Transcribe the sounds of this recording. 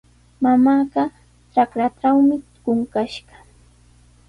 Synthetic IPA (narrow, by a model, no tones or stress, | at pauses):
mamaːɢɑ | t͡ʃakɾaʈ͡ʂawmɪ | ɢʊŋkaʃɢɑ̥